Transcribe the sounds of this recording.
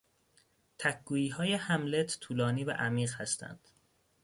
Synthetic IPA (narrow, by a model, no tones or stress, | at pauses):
t̪ʰækɡuːjiːɦɒːjehæmlet̪ʰt̪ʰuːlɒːniːvæ̰ʔæmiːɢhæst̪ʰæ̰nd̪̥